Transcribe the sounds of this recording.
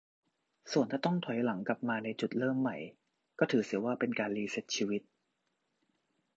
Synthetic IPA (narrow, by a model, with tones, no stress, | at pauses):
su˨˩ənʰaː˥˩t̪ɔ˥˩ŋt̪ʰɔ˨˩˦jla˩˦ŋkla˨˩p̚maː˧na˧jt͡ɕu˨˩t̪̚lɤː˥˩mːa˨˩j | kɔː˥˩t̪ʰɯː˩˦si˨˩˦waː˥˩pe˧nkaː˧nliː˧se˦˥t̪̚t͡ɕʰiː˧wi˦˥t̪̚